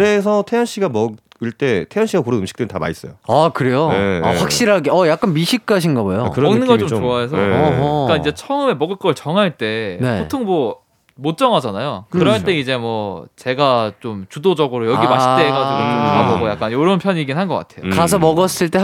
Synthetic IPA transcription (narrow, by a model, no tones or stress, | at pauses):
ɾe̞sʰʌtʰejʌnɕ͈iɡamʌɡiɭt͈e̞tʰejʌnɕ͈iɡakoɾɯnɯmɕi̥k̚t͈entama̰is͈ʌjoakɯɾe̞joɸwak̚ɕ͈iɾɦaɡeʌjak̚k͈anmiɕʰik͈̚aɕ̬ʰinɡʌbojokɯɾʌknɯnɡʌɭt͡ɕ͈omt͡ɕoaes̬ʰʌk͈aid͡ʑe̞t͡ɕʰʌɯme̞mʌɡɯɭk͈ʌɯɭt͡ɕʌŋɦaɭt͈e̞ne̞potʰoŋmʌ | mot̚t͡ɕ͈ʌŋɦad͡ʑanajokɯɾʌɦaɭt͈e̞id͡ʑe̞mwʌt͡ɕe̞ɡat͡ɕomt͡ɕudod͡ʑʌɡɯɾojʌɡimaɕʰit͈eɡaiɡouɡaboɡojak͈anjoɾʌnpʰjʌɲiɡinɦanɡʌk͈atʰe̞jokkasʰʌmʌɡʌs͈ɯɭt͈e̞